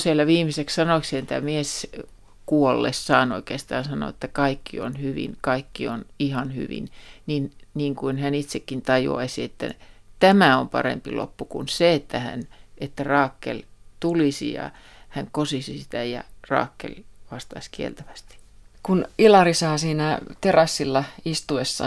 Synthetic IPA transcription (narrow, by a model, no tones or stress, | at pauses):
sielːæʋiːmisekssɑnoiksient̪æ̰mies | kuolːḛssɑːno̰ikeːst̪ɑːnsɑno̰et̪ːækɑikːio̰nhyʋḭnkɑikːionihɑnhy̰ʋḭnninniːŋkuinhænit̪sekːint̪ɑjṵɑ̰isiet̪ːæ̰t̪æmæompɑ̰rḛmpḭlo̰pːukṵnseet̪ːæhæ̰nʔet̪ːærɑːkːḛlt̪ulisḭjɑ̰ | hæŋkosisisit̪æjɑ̰rɑ̰ːkːḛlʋɑst̪ɑskiḛlt̪æʋæst̪i̥kunilɑrisɑːsiːnæt̪erɑsːilːɑist̪uesːɑ̰